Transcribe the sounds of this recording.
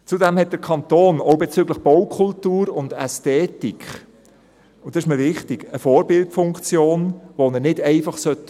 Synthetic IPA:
t͡sudɛmhɛt̚d̥əɾkʰɑnt̪oːnoʊbet͡syɡləχb̥owkʰʊltuːɾʊndɛstɛːtik | ʊnd̥ɔɪʃməʋɪχtiɡ̥əfoːɾbɪltfʊŋkt͡sjoːnʋonənɪdɛɪfɑχsœtː

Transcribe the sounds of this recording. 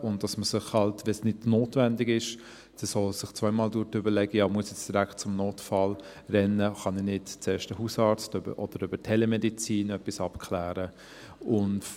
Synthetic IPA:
ʊnd̥ɑsməsɪχhɑltʋɛsnɪdnoːtvændɪɡɪʃ | d̥isɔlsɪχt͡sʋaɪmɑːldʊɾtʏbəlɛɡəjɑːmuəsjɛt͡sd̥iɾækt̚t͡sʊmnoːtfɑl | rɛnːəχɑninɪdt͡sɛːʃtəhuːsɑːɾt͡støbə̰ʔɔd̥əɾʏbətʰɛlɛmɛdit͡siːnœpːisɑpkʰχlæːɾə | ʊn

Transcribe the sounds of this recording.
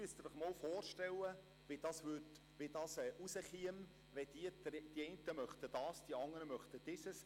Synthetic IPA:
yəst̪ɪd̥ɪχmɔlfɔːrʃtɛlːə | vid̥ɑːsvʏt | vidɑːsɛʔusəχiəm | vɛd̥iəd̥iɛɪntəmœχt̪əd̥ɑːsd̥iɑŋːəɾəmœχt̪əd̥ɪsəs

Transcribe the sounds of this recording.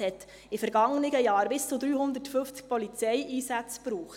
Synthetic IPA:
hɛt | ɪfɛɾɡ̥ɑŋənɪɡəjɑːɾbɪst͡sud̪ɾyːhʊnd̪ərtfʏft͡sk̚pɔlit͡sɛjʔiːsæt͡spɾuːχ

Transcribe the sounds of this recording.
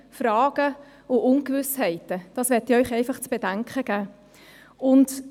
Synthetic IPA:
fɾɑːɡ̥ə | ʊʔʊnkʋʏshɛɪtəd̥ɑsʋɛtːɪœʏχɛɪfɑχt͡sb̥edæŋkχəɡ̥æː | ʊnt

